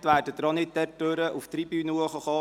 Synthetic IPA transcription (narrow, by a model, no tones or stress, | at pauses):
t̪ʋæːrdəd̪ɾɔnɪtɛɾtøɾəʔuft̪ɾibyːnuəχəχɔː